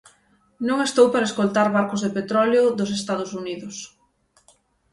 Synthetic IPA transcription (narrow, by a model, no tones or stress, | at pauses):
nõŋest̪owpaɾɐeskolt̪aɾβaɾkʊzðepet̪ɾɔleʊðʊs̬est̪aðʊsuniðʊs